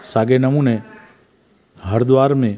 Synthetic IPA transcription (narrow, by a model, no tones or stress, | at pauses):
saɡenəmũːne | ɦəɾd̪ʋaːɾmẽ